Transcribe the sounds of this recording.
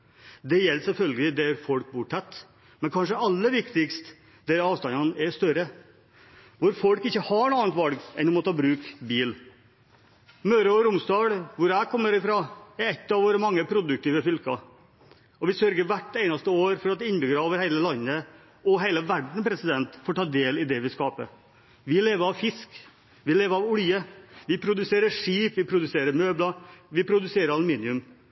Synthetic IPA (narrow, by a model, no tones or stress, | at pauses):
d̪ɛjɛlːsɛlfœlɡəlɪd̪ɛɾfɔlk̚bʊʈʰɛt̪ː | mɛnkʰɑnʂ̬əɑlːəʋɪkt̪ɪkst̪ | d̪ɛɾɑːʋst̪ɑnɑnɛst̪œɾə | ʋʊɾfɔlkɪçːəhɑɳuɑːnt̪ʋɑlɡɛ̰nd̪ʊmɔt̪ʰɑːbɾʉːkbiːl | møːɾəɔɾʊmst̪ɑːɽʋʊɾækʰɔmːəɾɪfɾɑːɛɾɛt̪ːɑʋoːɾəmɑŋːəpʰɾʊd̪ʉk̚t̪iːʋəfʏlkɑ̰ | ɔʋɪsœɾɡəʋæʈːeɪnɑst̪əoːɾfɔɾɑt̪ɪɪnbʏɡɾoːʋəɾheɪləlɑnːə | ɔɦeɪləʋæɖɳ̩pʰɾɛsɪd̪ɛnt̪foːʈʰɑːd̪eːlɪd̪ɛʋɪskɑːpə̰ | ʋɪleːʋəɾɑʋfɪsk | ʋɪleːʋəɾɑʋʊljəʋɪpʰɾʊd̪ʉseːɾəʂiːpʋɪpʰɾʊd̪ʉseːɾəɾmøːblɑʋɪpʰɾʊd̪ʉseːɾəɾɑlʊmiːnɪʉm